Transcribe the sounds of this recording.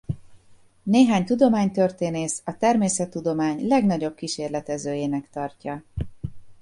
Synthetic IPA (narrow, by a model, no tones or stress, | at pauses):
neːɦaːɲt̪ud̪o̞maːɲt̪ørt̪eːneːsɒt̪ɛrmeːsɛt̪ːud̪o̞maːɲlɛɡn̪ɒɟo̞b̚kiʃeːrlɛt̪ɛzøːjeːnɛkt̪ɒrcɒ